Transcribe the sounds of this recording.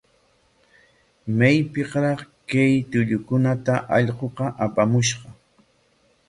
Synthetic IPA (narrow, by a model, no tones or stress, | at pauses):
majpɪqɾɑχkajt̪ʊʎʊkʊnat̪aʔɑʎqoqɑʔapʼamʊʃqɑ